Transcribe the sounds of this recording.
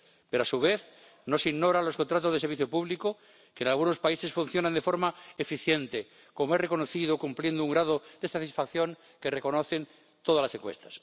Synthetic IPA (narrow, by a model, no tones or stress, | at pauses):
pe̞ɾoasuβ̞eθ | no̞siɣno̞ɾalo̞skont̪ɾat̪ozðeseɾβiθjopuβliko | keːnalɣuno̞spaise̞sfun̟θjo̞nãnd̪e̞foɾmaefiθje̞nt̪e | ko̞moere̞konoθiðokumplje̞nd̪ouŋɡɾað̞oðe̞sat̪isfakθjo̞ŋ | ke̞re̞ko̞no̞θe̞n | t̪oðalaseŋkwest̪ḁs